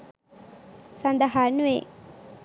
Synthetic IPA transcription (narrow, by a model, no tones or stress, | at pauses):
sɐnd̪aɦanuʋe